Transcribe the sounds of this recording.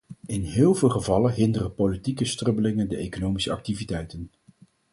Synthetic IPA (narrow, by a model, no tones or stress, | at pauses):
ɪnɦɪːlˠvɪːlˠχəvɑlənɦɪndərəpolitikəstrɵbəlɪŋəndəʔejkonowmisəɑ̰k̚tivitɛjtən